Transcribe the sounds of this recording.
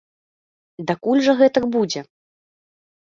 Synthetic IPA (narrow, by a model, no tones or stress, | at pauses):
d̪akulʲʐɐɣɛt̪ɐkbud͡zʲɛ